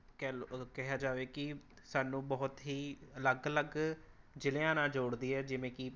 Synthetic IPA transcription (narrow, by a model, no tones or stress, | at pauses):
kɛkɛɦaːd͡ʒaːʋeːkɪ | saːnũːbɔːt̪ɦiːələɡələɡ | d͡ʒɪlejãːnãːd͡ʒoːɽd̪iːɛːd͡ʒɪʋẽːkɪ